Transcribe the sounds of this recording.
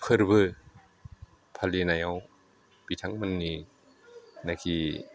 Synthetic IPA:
pʰɯɾbɯ | pʰalinajaw | bitʰaŋmɯnːi | nakʰi

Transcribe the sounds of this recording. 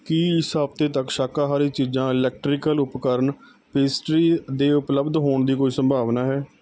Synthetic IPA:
kiːɪsɦaːbt̪eːt̪əkʃaːkaːɦaːɾiːt͡ʃiːd͡ʒãːɪlɛːk̚ʈɾɪkəlʊpkəɾəɳ | peːsʈɾiːd̪eːʊpləbd̪ɦoːɳd̪iːkoːiːsəmbʱaːʋnaːɦɛː

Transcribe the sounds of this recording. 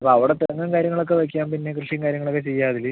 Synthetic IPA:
ɐpoɐʋiɽet̪ɐɐŋːɐmkaːɾjɐŋːɐɭokːeʋɐk̬ʲːaːmpinːe̞krɨʂjɐŋkaːɾjɐŋːɐɭokːet͡ɕejːaːðil

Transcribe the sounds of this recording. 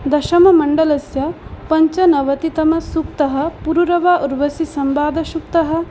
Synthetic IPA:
d̪ɐʃɐmɐmɐɳɖɐlɐsjɐpɐɲt͡ʃɐnɐʋɐt̪it̪ɐmɐsukt̪ɐɦɐ̆puɾuɾɐʋaːʔuɾʋɐsisɐmbaːd̪ʱɐʃuk̚t̪ɐɦɐ̆

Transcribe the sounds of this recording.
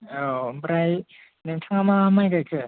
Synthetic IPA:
obɯɾaj | nɯŋtʰaŋamamajɡakʰɯ

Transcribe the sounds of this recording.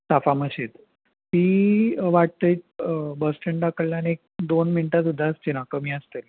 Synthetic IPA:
safaməɕet̪ | t̪iːʋaʈ̚t̪əjt̪bəsʈəɳɖakəɽljaniek̚d̪onminʈasud̪ʱːaəst͡ɕ̪enakəmiːəst̪el

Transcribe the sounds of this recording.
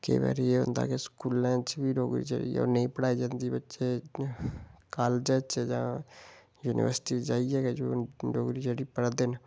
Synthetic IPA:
kḛbɛ̰ɾijeʊ̰̃nd̪a̰keskuːlːɛ̃ːt͡ʃbʱiɾoːɡɾḭd͡ʒə̰ɽḭɔ̰ːɾnəĩpəɽaːid͡ʒand̪ibətːʃe | kaːld͡ʒet͡ʃed͡ʒa | juːnʔḭʋəɾsʈid͡ʒaːiɛked͡ʒoːɾoːɡɾid͡ʒəɽipəɽd̪en

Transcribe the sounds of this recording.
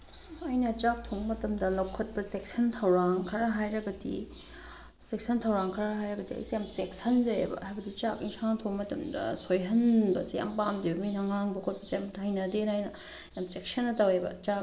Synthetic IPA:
ɐjnɐt͡ʃak̚tʰoŋmɐtɐmdɐlɐwkʰɐt̚pɐsek̚sɐntʰɐwɾaŋkʰɐɾɐɦajɾɐɡɐdḭ | sek̚sʰɐntʰɐwɾaŋkʰɐɾɐɦajɾɐɡɐdiɐ̰jsejamsek̚sɐnzɐjḛbɐ̰hajbɐdit͡ʃakiŋsaŋtʰoŋmɐtɐmdɐ̰sojɦɐnbɐseja̰mpamdibɐminaŋaŋbɐkʰot̚pɐsejamtʰajnɐdenajnɐ | jamsek̚sʰɐnːɐtɐwebɐ̰t͡ʃak

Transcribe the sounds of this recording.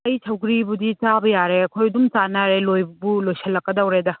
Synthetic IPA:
ɐjsʰɐwɡɾibudit͡ʃabɐjaɾeɐkʰojɐdumt͡ʃanɐɾelojbbulojsʰɐlːɐkːɐdɐwɾedɐ

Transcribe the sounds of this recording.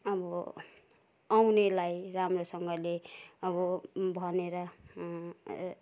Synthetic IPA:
ʌbʌ | awnelajramrosʌŋɡʌleʌbʌbʱʌneɾʌ

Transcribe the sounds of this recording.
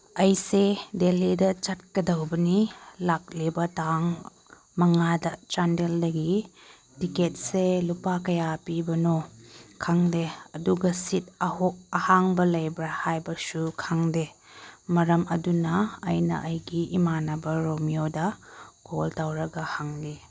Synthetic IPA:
ɐjsedelidɐt͡ʃɐt̚kɐdɐwbɐnilak̚libɐtaŋ | mɐŋadɐt͡ʃandeldɐɡi | tiket̚selupakɐjapibɐnokʰaŋdeɐduɡɐsit̚ɐhok̚ɐhaŋbɐlɐjbɾahajbɐsukʰaŋdemɐɾɐmɐdunɐ̰ːjnɐ̰ʔɐjɡiimanɐbɐɾomiodɐkʰo̰ltawɾɐɡɐhaŋli

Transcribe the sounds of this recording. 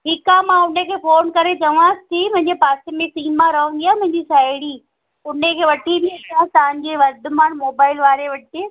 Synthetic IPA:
ɦɪkamãʊnekʰeːfoːnkɐɾet͡ɕɐʋãːst̪ʰimɐ̃ɦɪ̃ɲd͡ʑepaːsemẽsiːmãɾɐʋə̃ŋ̆ɡ̪ijaːmɐ̃ɦɪ̃ɲd͡ʑisaːɪɽiː | ʊnekʰeːʋɐʈʰib̪ieaːt̪ɐʋə̃ɲ̆d͡ʑeːʋɐɾd̪ʊmaːnmoːbaːɪlʋaːɾeʋɐʈeː

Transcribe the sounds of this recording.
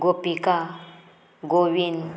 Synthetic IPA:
ɡopika | ɡoʋin

